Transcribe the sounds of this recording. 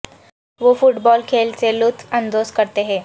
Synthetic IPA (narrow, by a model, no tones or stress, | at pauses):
ʋofuʈbɔlkʰelt͡selut̪ʰənd̪oskəɾt̪eɦe